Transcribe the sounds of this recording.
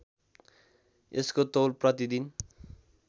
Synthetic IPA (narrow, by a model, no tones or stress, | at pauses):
ḛskot̪olprʌt̪id̪in